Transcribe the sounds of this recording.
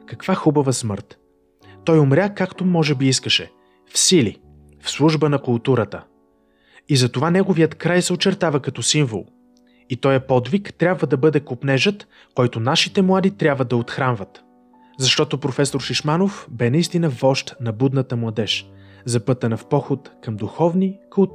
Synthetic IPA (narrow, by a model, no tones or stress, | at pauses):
kɐkv̥axubɐvəsmɤɾt̪ | t̪ɔjomɾʲakakt̪omɔʒɛbiiskəʃɛ | fsili | fslˠuʒbənɐkʊlˠt̪uɾət̪ə | izɐt̪ovanɛɡovijət̪kɾajsɛot͡ʃɛɾt̪avəkɐt̪ɔsiɱvo̰lˠ | it̪ɔjɐpɔd̪vikt̪ɾʲabvəd̪ɐbɤd̪ɛkopnɛʒət̪ | kɔjt̪onaʃit̪ɛmlˠad̪it̪ɾʲabvəd̪ɐot̪xɾanvət̪ | zɐʃt̪ɔt̪opɾofɛsoɾʃiʃmanofbɛnɐist̪inəvɔʃt̪nɐbud̪nət̪əmlˠɐd̪ɛʃzɐpɤt̪ənɐfpɔxot̪kɐmd̪uxɔvnikolˠ